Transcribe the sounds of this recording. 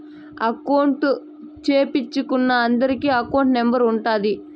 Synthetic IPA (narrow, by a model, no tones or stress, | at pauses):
ɐkɐwɳʈ | t͡ʃeːpit͡ʃːukunːɐːnd̪ɐɾikiːɐkɐwɳʈnembɐɾuɳʈaːd̪i